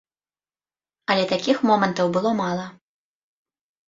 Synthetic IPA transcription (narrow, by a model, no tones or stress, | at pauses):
ɐlʲɛt̪akʲixmɔmɐnt̪ɐwbɨlˠɔmalˠɐ